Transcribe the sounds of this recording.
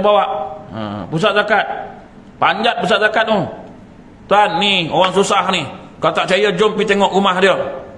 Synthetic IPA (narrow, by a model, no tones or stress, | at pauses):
bawaʔə̰pus̬at̪̚zakat̪̚ | paɲd͡ʒat̪̚pus̬at̪̚zakat̪̚no | t̪uanːioɣaŋsusahni | kalot̪aʔt͡ʃajəd͡ʒompit̪eŋɔʔɾumahdiə